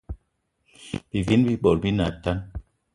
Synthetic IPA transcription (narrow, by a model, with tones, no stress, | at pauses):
b̥i˨vi˦n˦bi˦ɓɔ˨ɾbi˦na˨ta˦n